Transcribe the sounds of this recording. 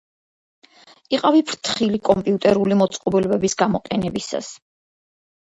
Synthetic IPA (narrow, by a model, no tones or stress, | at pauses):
iqʼavipʰɾt̪ʰχilikʼɔmpʼiut̪ʼɛɾulimɔt̪sʼqʼɔbilɛbɛbisɡamɔqʼɛnɛbisa̰s